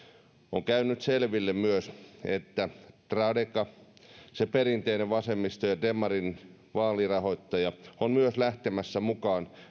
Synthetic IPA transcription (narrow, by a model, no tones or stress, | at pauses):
o̰ŋkæynːˑyt̪selʋilːemmyøset̪ːæt̪rɑdekɑ | seperint̪eineʋʋɑsemːist̪ojɑd̪emːɑrin | ʋɑːlirɑhoit̪ːɑjɑonmyøslæht̪emæsːæmukɑːn